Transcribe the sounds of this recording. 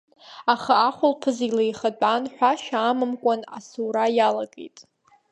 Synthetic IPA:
aχaaχʷʊlpʰɨzilejχat͡pʷʼanħʷᶣaʃᶣaːmɨmkʷʼana̰suːɾajalaɡḛjtʼ

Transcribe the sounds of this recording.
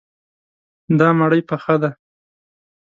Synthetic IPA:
d̪ɑmaɽəjpaxad̪a

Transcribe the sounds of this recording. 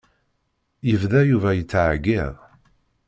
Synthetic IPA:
jəvðæjuvæjət͡sːʕɡːɪðˤ

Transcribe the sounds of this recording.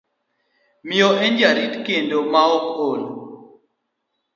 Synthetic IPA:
miɔʔend͡ʒaɾitkendomaɔkol

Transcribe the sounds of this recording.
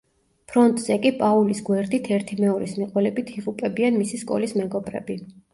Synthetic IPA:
pʰɾɔnt̪ʼz̥ɛkʼipʼaulisɡwɛɾd̪it̪ʰɛɾt̪ʰimɛɔɾismiqʼwɛlɛbit̪ʰiʁʼupʼɛbianmisiskʼɔ̰lismɛɡɔbɾɛ̰bi

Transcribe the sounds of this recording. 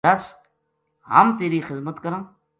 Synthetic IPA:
aːs | hə̰mt̪eːɾiːxɪzmət̪kəɾə̃ː

